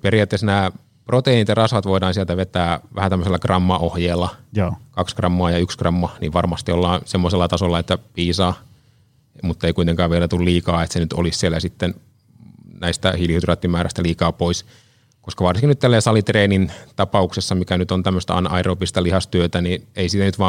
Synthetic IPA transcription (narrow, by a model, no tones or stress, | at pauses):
perijɑt̪ːesnæː | prot̪einit̪jɑrɑsʋɑt̪ʋoidɑːnsielt̪æʋet̪æːʋæhæt̪æmːøselːɑkrɑmːɑʔohjeːlːɑkɑkskrɑmːɑːjɑykskrɑmːɑnḭʋʋɑrmɑst̪iolːɑːnsemːoselːɑt̪ɑsolːɑet̪ːæpiːsɑː | mut̪ːɑeikuit̪eŋkɑːʋʋielæt̪ulliːkɑːet̪senyt̪o̰lissielːæsit̪ːen | næist̪æ̰hilhyd̪rɑt̪ːimæːɾʔæ̰st̪æliːkɑːpois | koskɑʋɑrsiŋkinyt̪t̪ːælːæsɑlit̪reːnint̪ɑpɑuksesːɑmikænyt̪ont̪æmːøst̪ɑ̰ɑ̰nɑʔɑiropist̪ɑlihɑst̪yøt̪ænineisiːt̪ænyt̪ʋɑː